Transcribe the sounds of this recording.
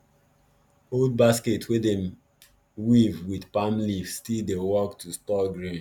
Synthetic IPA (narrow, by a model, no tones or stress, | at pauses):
old̚basketʰwedem | wivwidpamlifsstildewɔktʰustɔɡɹĩn